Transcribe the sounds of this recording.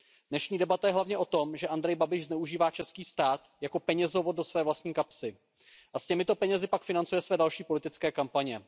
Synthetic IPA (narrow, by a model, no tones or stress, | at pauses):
d̥nɛʃɲiːdɛbat̪ajɛɦlavɲɛʔo̞t̪o̞mʒɛʔand̪ɾɛjbabɪʃznɛuʒiːvaːt͡ʃɛskiːst̪aːt̪jako̞pɛɲɛzovo̞d̚do̞svɛːvlast̪ɲiːkapsɪ | ʔascɛmɪt̪o̞pɛɲɛzɪpakfɪnant͡sujɛsvɛːdalʃiːpo̞lɪt̪ɪt͡skɛːkampaɲɛ